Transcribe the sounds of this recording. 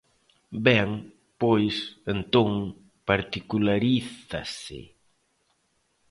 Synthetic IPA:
bɛŋ | pojsent̪oŋ | paɾt̪ikulaɾiθa̰sɪ̰

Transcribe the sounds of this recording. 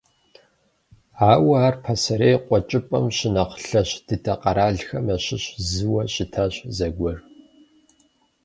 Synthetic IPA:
aːwɐaːrpʰɐsɐɾeːqʷʼɔt͡ʃʼɪpʼɐ̰mɕɪnɐqɬɐɕd̥ɨtʰɐqʼɐɾaːɮxɐmɐɕɪɕzɨwɐɕɪtʰaːɕzɐɡʷɔr

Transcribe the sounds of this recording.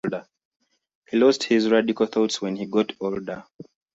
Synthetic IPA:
ldə | hilɔsthizɹadikəlθɔtswɛ̃nhiɡɔtʰɔldə

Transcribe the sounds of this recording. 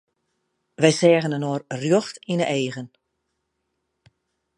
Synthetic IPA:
ʋɛjsɛːɣənənoːrrjoxtinəʔeːɣən

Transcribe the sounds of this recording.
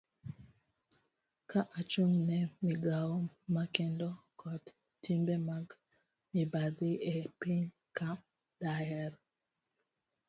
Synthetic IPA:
kaʔat͡ʃoŋnɛmiɡaomakendokʰɔd | timbemaɡ | mibad̪iʔɛpin | ka | daɛɾ

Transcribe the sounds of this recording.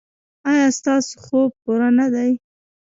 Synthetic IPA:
ɑjɑst̪ɑso̥xob̚puɾanad̪aj

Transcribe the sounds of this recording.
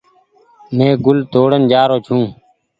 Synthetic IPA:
mẽːɡʊlt̪oːɽənd͡ʒaːɾoːt͡ʃʰũː

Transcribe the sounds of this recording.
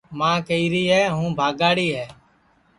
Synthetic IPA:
mãːkəiːɾiːɦɛːɦũːbʱaːɡaːɽiːɦɛː

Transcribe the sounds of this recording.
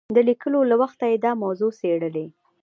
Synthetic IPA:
d̪əlikəlolawaxt̪ajed̪ɑmawzoseɽəle

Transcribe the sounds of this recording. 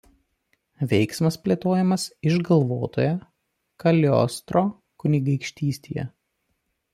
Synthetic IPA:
ʋʲɛɪksmɐspʲlʲeːt̪oːjɛmɐsɪʒɡɐlˠʋoːt̪o̰ːjɛ | kɐlʲɔ̰st̪ɾoː | kʊnʲɪɡɐɪkʃʲt̪ʲiːsʲt̪ʲḛːjɛ̰

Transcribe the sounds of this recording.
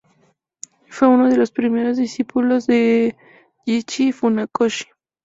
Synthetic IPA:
fwe̞unoðe̞lo̞spɾime̞ɾo̞zðisipulo̞zðe | ʝit͡ʃifunakoʃi̥

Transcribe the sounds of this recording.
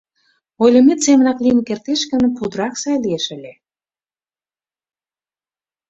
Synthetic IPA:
ojlʲə̆met̪semə̆nɑklinkert̪eʃkə̆nəpud̪ɾɑksɑjlieʃəlʲe

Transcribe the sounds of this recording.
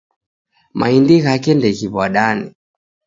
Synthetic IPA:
ma̰indiɣakɛndɛɣiβwaɗani

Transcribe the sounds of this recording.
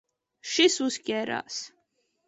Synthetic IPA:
ʃisuskʲʼɛɾa̰s

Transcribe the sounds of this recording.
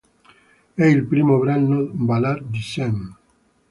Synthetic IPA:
ɛilpɾimoβɾannobalaɾd̪isɛm

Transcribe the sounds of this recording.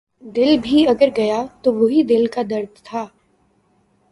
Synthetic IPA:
d̪ɪlbʱiɐɡəɾɡɐjat̪oʋoɦid̪ɪlkad̪ɐɾd̪ʱt̪ʰaː

